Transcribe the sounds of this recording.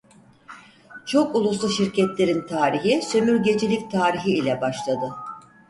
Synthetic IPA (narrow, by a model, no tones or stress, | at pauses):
t͡ʃʰo̞kulˠus̬lˠuʃiɾcʰɛt̪lʲe̞ɾint̪ʰaːɾiɦisø̞myɾɟe̞d͡ʒilʲic̚t̪ʰaːɾiɦiːlʲɛbaʃlˠad̪ɯ